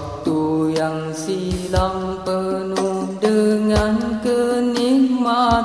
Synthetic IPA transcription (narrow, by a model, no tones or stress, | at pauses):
t̪ujaŋ | silampənudəŋankənikma